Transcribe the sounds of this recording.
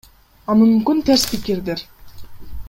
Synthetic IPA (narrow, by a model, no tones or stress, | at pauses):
ɑmymmkynt̪ʰæɾspikiɾd̪eɾ